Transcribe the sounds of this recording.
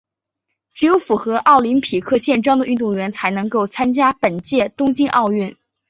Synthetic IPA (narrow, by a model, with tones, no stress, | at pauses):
ʈ͡ʂɻ̩˧˩jo˧˥ʊfu˨˩xɤ˧˥ʔɑ˥˩ʊli˧˥npʰi˨˩kʰɤ˥˧ɕjɛ˥˩nʈ͡ʂwɑ˥ŋd̪ə˨ʔy˥˧t̪̬ʊ˥˩ŋɥɛ˧˥nt͡sʰa˧˥ɪnɤ˧˥ŋko˥˩ʊt͡sʰa˥nt͡ɕja˥pə˨˩nt͡ɕjɛ˥˩t̪ʊ˥ŋt͡ɕi˥ŋʔɑ˥˧ʊy˥˩n